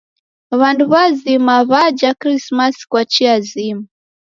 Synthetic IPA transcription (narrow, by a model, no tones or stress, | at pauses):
βanduβazimaβad͡ʒakɾismaskwat͡ʃiazima